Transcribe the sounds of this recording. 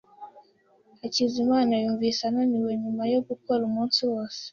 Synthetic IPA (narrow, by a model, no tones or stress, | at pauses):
acizimaːnajuːɱvisananiweɲumajo̞ɡukoɾumuːnsuwo̞ːse̥